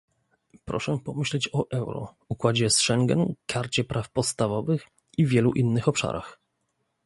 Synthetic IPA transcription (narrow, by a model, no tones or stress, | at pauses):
pɾɔ̰ʂɛpɔmɘɕlɛt͡ɕɔʔɛwɾɔ̰ | ukwad͡ʑɛsʂɛŋɡɛ̰nkʰaɾt͡ɕɛpɾʔafpɔt̪st̪avɔvɘx | ivʲjɛluʔinːɘxɔpʂa̰ɾʔa̰x